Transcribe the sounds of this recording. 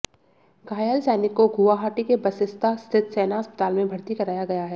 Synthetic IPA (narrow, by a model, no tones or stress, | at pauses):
ɡaːjəlsɛːnɪkːoɡʱuʋaɦaːʈikebɐsɪst̪ʰast̪ʰɪt̪sɛːnaɦɐspə̥t̪aːlmẽbʱɐɾt̪ikɐɾaːjaɡɐjaɦɛː